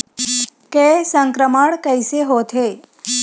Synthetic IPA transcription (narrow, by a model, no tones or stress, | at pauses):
kesəŋkɾəməɳkəjseɦot̪ʰe